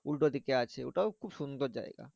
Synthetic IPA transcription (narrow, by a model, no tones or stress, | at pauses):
ulʈod̪ʱikeat͡ɕʰeo̰ʈakʰubʃund̪ʱoɾd͡ʑa̰ḛɡa̰